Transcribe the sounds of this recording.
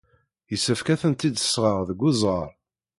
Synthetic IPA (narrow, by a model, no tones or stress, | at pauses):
jəsːəfkæθənt̪id̪ə̥sːʁəʁðəɡːʊzˤʁəɾˤ